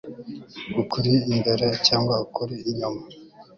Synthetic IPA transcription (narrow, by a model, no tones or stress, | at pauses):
ɡukʰuɾiːmbeɾecaːŋɡwaukuɾiːɲoma